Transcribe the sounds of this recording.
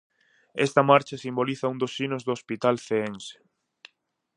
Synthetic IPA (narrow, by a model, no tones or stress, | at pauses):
ɛst̪ɐmaɾt͡ʃɐsimboliθɐund̪osinʊzðoospit̪alθeense̥